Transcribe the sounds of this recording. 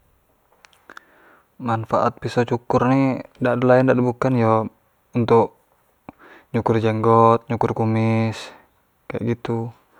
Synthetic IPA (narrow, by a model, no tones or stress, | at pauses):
manfaʔa̰t̪̚pisɔt͡ʃukʊrnidaʔdalaɛndadabukanjɔ | unt̪ʊk | ɲukʊrd͡ʒɛŋɡɔt̪̚ɲukʊrkumis | kaja̰ʔɡit̪u